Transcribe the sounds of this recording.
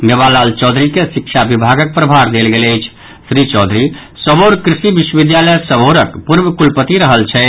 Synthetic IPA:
mebalalt͡ʃɔd̪ʱɾikesikt͡ʃʰabibʱaɡək̚pɾəbʱaɾd̪elɡeləjt͡ʃʰ | sɾit͡ʃɔːd̪ʱɾi | səboɾkɾisibiʃwəbid̪jalɛjsəboɾəkpuɾbəkulpət̪iɾəɦəlt͡ʃʰɛ

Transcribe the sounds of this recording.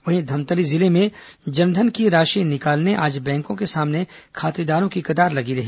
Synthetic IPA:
ʋɐɦĩd̪ʱɐmt̪əɾizɪlemẽd͡ʒɐnd̪ʱənkiɾaːʃinɪkaːlneʔaːd͡ʒbɛ̃ːŋkõkesaːmnekʰaːt̪ɾid̪aːɾõkikɐd̪aːɾlɐɡiɾɐɦiː

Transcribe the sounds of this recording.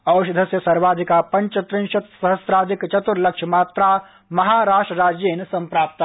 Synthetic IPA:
ɐwʃɐd̪ʱɐsjəsɐɾʋaːd̪ʱikapɐ̃ɲt͡ʃət̪ɾɪ̃nʃɐt̪sɐɦəsɾaːd̪ʱikt͡ʃɐt̪uɾlɐkʃʰmaːt̪ɾa | mɐɦaːɾaːʃʈɾəɾaːd͡ʒeːnsɐ̃mpɾaːp̚t̪

